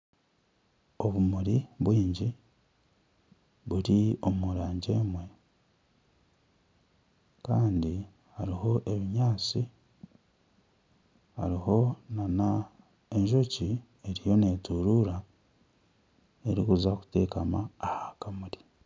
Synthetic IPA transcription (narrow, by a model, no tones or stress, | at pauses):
o̞βumuɾiβwiːɲɟi | βuɾio̞muɾaːɲɟe̞ːmwe̞ | kaːndi | haɾiho̞ʔe̞βiɲaːt͡si | ha̰ɾiho̞nana | e̞ɲʒo̞ci | eɾijo̞ne̞ːtuɾuɾa | e̞ɾḭkuzaku̥te̞ːkamaːhakamuɾi̥